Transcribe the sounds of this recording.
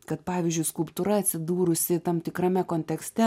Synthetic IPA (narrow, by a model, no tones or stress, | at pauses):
kɐt̪pɑːʋʲɪːzʲd͡ʒʲʊɪskʊlˠpt̪uɾɐɐt̪ʲsʲɪd̪uːɾʊsʲɪt̪ɐmt̪ʲɪkɾɐmʲɛkoːnʲt̪ʲɛksʲt̪ʲɛ